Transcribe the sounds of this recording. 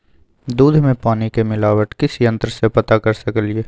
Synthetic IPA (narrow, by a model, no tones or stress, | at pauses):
d̪uːd̪ʱmẽpaːnikemɪlaːwəʈkɪsiɐ̃nt̪ɾəsepɐt̪akɐɾsɐkəlieː